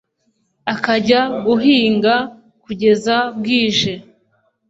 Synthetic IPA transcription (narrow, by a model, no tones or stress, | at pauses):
akaɟaɡuɦiːŋɡa | kuɟe̞zab̚ɡiːʒe̞